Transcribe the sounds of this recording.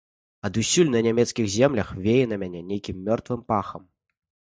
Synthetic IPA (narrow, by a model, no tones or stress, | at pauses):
ɐd̪usʲulʲnɐnʲamʲɛt̪skʲiɣzʲɛmlʲɐxvʲejɛnɐmʲanʲɛnʲejkʲimːʲɔrt̪vɨmpaxɐm